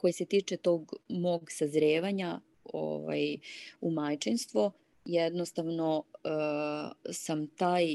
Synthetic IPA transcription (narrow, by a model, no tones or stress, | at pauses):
ko̞jeset̪iːt͡ʃet̪o̞ːɡmo̞ɡsazɾeːʋaɲa | o̰ʋa̰jumajt͡ʃenst̪ʋo | jed̪nost̪aʋno̞ | samt̪aːj